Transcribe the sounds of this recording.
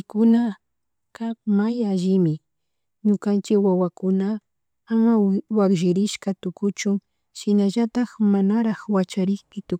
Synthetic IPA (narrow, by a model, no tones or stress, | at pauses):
kʊna | kap̚majaʒɪmɪ | ɲʊkant͡ʃɪkwawakʊna | amawakʒɪɾɪʃkat̪ʊkʊt͡ʃʊŋ | ʃɪnaʒat̪axmanaɾaxwat͡ʃaɾɪkɪt̪ʊ